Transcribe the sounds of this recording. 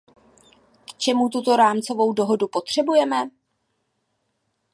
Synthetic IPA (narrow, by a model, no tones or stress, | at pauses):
kt͡ʃɛmut̪̬ut̪o̞ɾaːmt͡so̞vo̞wdo̞ɦo̞dupo̞t̪r̝̥ɛbujɛmɛ